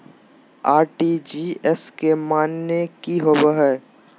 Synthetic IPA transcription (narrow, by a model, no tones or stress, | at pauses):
aːɾʈid͡ʒiːɛskemaːnːekiɦoːbəɦɛː